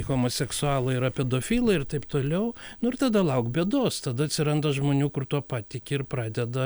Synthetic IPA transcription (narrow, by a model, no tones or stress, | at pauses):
ɣoːmoːsʲɛksʊɑːlˠɐɪɾɐpʲɛd̪oːfʲiːlˠɐɪrt̪ɐɪpt̪oːlʲɛʊnʊɪrt̪ɐd̪ɐlˠɐʊkbʲeːd̪oːst̪ɐd̪ɐɐt̪ʲsʲɪɾɐnd̪ɐʒmoːnʲuːkʊrt̪uɔpɑːt̪ʲɪkʲɪɪrprɑːd̪ʲɛd̪ɐ